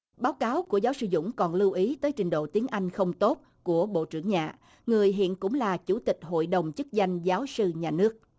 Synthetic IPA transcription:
ɓaː˨˦wkaː˨˦wku˧˩əzaː˨˦wsɨ˧zʊ̰˧˥ŋ͡mkɔ˨˩nlɨ˧wʔi˨˦t̪əː˨˦jt͡ɕï˨˩ŋ̟ɗo̰˧˨t̪i˨˦ənʔa˧jŋ̟xə˧wŋ͡mt̪o˦˥t̚ | ku˧˩əɓo̰˧˨t͡ɕɨ˧˩əŋɲa̰ː˨˩ | ŋɨ˨˩əjɦḭ˧˨ənkʊ̰˧˥ŋ͡mlaː˨˩t͡ɕu˧˩t̪ï˨˩k̟̚ɦo̰˧˨jɗə˨˩wŋ͡mt͡ɕɨ˦˥k̚za˧jŋ̟zaː˨˦wsɨ˧ɲaː˨˩nɨ˦˥ək̚

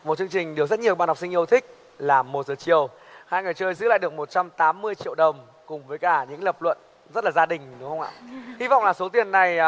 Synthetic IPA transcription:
mo˨˩t̚t͡ɕɨ˧əŋt͡ɕï˨˩ŋ̟ɗɨ˨˩əwzə˦˥t̚ɲi˨˩əwɓaː˧nhk͡p̚si˧ŋʔə˧wt̪ʰï˦˥k̟̚ | laː˨˩mo˨˩t̚zəː˨˩t͡ɕḭ˧˨əw | haː˧jŋɨ˨˩jt͡ɕəː˧jzɨ̰˧˥la̰˧˨ɗɨ˨˩ək̚mo˨˩t̚t͡ɕa˧mt̪aː˨˦mːɨ˧əjt͡ɕḭ˧˨əwɗə˨˩wŋ͡m | kʊ˨˩ŋ͡mvəː˨˦jkaː˧˩ɲɨ̰˧˥ŋləː˨˩p̚lwə̰˧˨n | zə˦˥t̚laː˨˩zaː˧ɗï˨˩ŋ̟ɗʊ˨˦ŋ͡mxə˧ŋ͡mʔa̰ː˧˨hi˧vɔ̰˧˨wŋ͡mlaː˨˩so˨˦t̪i˨˩ənːa˨˩j

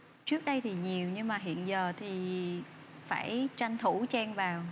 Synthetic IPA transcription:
t͡ɕɨ˦˥ək̚ɗə˧jt̪ʰi˨˩ɲi˨˩əwɲɨ˧ŋmaː˨˩ɦḭ˧˨ənzəː˨˩t̪ʰi˨˩ | fa̰ː˧˩jt͡ɕa˧jŋ̟t̪ʰu˧˩t͡ɕɛ˧ŋvaː˨˩w

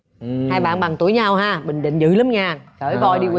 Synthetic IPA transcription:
haː˧jɓa̰ː˧˨nɓa˨˩ŋt̪u˨˧˩əjɲa˧whaː˧ɓï˨˩ŋ̟ɗḭ˧˨ŋ̟zɨ̰˧˥lə˨˦mɲaː˧˩xəː˧˩˦jvɔ˧˩jɗi˧w

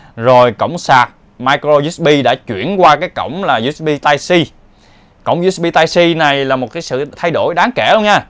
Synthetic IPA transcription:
zo˨˩jkə̰˧˨wŋ͡msaː˨˩t̚ | maː˧jkɾo˧zu˦˥ɓi˧ɗa̰ː˧˥t͡ɕwḭ˧˩˨ənkwaː˧kaː˨˦jkə̰˧˨wŋ͡mlaː˨˩zu˦˥ɓi˧t̪aː˧jsi˧ | kə̰˧˨wŋ͡mzu˧˦˥s̚ɓi˧t̪aː˧jsi˧na˨˩jlaː˨˩mo˨˩t̚kaː˨˦sɨ̰˧˨t̪ʰa˧jɗo˧˩jɗaː˨˦ŋkɛ˧˩lŋɲaː˧˩

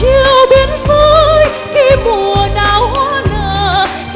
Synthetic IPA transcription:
t͡ɕi˧əwɓi˨˦ənsu˧j | xi˧mu˨˩əəɗaː˧˨˩whwaː˧˥nəː˧˨

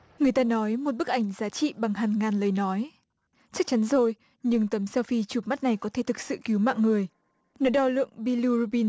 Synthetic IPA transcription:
ŋɨ˨˩əjt̪aː˧nɔ˨˦jmo˨˩t̚ɓɨ˦˥k̚ʔa˧˩jŋ̟zaː˨˦t͡ɕḭ˧˨ɓa˨˩ŋhaː˨˩nŋaː˨˩nlə˨˦jnɔ˨˦j | t͡ɕɨ˦˥k̚t͡ɕa˨˦nzo˨˩j | ɲɨ˧ŋt̪ə˨˦msɛ˧wfi˧t͡ɕu˨˩ma˦˥t̚na˨˩jkɔ˨˦t̪ʰe˧˩t̪ʰɨ˨˩k̚sɨ̰˧˨ki˨˦wma̰ː˧˨ŋŋɨ˨˩əj | nɔ˨˦ɗɔ˧lɨ̰˧˨əŋɓi˧lu˧ɾu˧ɓi˧n

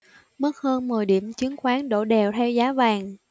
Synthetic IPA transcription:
mə˦˥t̚həː˧nmɨ˨˩jɗḭ˧˩əmt͡ɕɨ˨˦əŋxwaː˨˦ŋɗo̰˧˩ɗɛ˨˩wt̪ʰɛ˧wzaː˨˦vaː˨˩ŋ

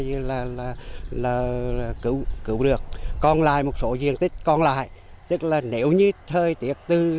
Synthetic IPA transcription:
zi˨˩laː˨˩laː˨˩laː˨˩˨kɨ̰˧˩˦wkɨ̰˧˦wɗɨ˨˩ək̚ːɔ˧nla̰ː˧˨jmo˨˩t̚so˨˦zḭ˧˨əŋt̪ï˦˥k̟̚kɔ˧nla̰ː˧˨j | t̪ɨ˦˥k̚laː˨˩ne˨˦wɲɨ˧t̪ʰəː˨˩jt̪i˨˦ək̚t̪ɨ˧˩

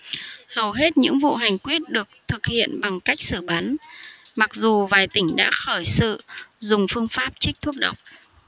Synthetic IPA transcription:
hə˨˩wɦe˦˥t̚ɲɨ̰˧˥ŋvṵ˧˨ɦa˨˩jŋ̟kwi˦˥ət̚ɗɨ˨˩ək̚t̪ʰɨ˨˩k̚hḭ˧˨ənɓa˨˩ŋka˦˥jk̟̚sɨ˧˩ɓa˨˦nma˨˩k̚zu˨˩vaː˨˩jt̪ï˧˩ŋ̟ɗa̰ː˧˥xəː˧˩jsɨ̰˧˨zʊ˨˩ŋ͡mfɨ˧əŋfaː˦˥p̚t͡ɕï˦˥k̚t̪ʰu˦˥əɗə˨˩wk͡p̚

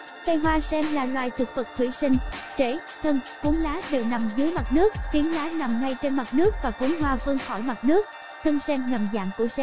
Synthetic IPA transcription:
t̪ə˧jɦwaː˧sɛ˧mlaː˨˩lwaː˨˩jt̪ʰɨ˨˩k̚fɨ˨˩k̚t̪ʰwḭ˧˩sï˧ŋ̟t͡ɕe˧˩ | t̪ʰə˧ŋ | ku˨˦ənlaː˨˦ɗe˧˨˩wna˨˩mzɨː˨˦əjma˨˩t̚nɨ˦˥ək̚xi˨˦ənlaː˨˦na˨˩mŋa˧jt͡ɕe˧nma˨˩t̚nɨ˦˥ək̚vaː˨˩ku˨˦nɦwaː˧və˧ŋxɔ˧˩jma˨˩t̚nɨ˦˥əkk̚ | t̪ʰə˧ŋsɛ˧mŋə˨˩mza̰ː˧˨ŋku˧˩əsɛ˧m

